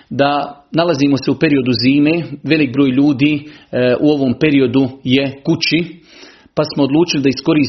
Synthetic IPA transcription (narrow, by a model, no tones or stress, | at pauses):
d̪analaziːmo̞seupe̞ɾio̞d̪uziːme̞ːʋe̞lik̚bɾoːjʎuːd̪iːʔuo̞ʋo̞ːmpe̞ɾio̞d̪ujekut͡ɕi | pasmoːd̪lˠuːt͡ʃilid̪aisko̞ɾiː